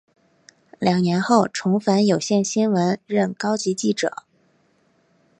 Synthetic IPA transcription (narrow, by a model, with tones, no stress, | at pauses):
ljɑ˨˩ŋnjɛ˧˥nxo˥˩ʊʈ͡ʂʰʊ˧˥ŋfa˧˥njo˨˩ʊɕjɛ˥˩nɕi˥nwə˧˥nɻə˥˩nkɑ˥ʊt͡ɕi˧˥t͡ɕi˥˩ʈ͡ʂɤ̰˨˩˦